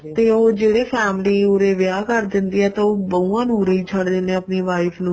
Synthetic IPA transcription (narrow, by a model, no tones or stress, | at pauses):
t̪eːoːd͡ʒeːɽeːpʰɛːmliːʊɾeːʋɪjaːkəɾd̪ɪnd̪iːɛːt̪ãoːbəũːãːnũːɾəiːt͡ʃʰəɽd̪eːnẽːəpneːʋaːɪpʰnũː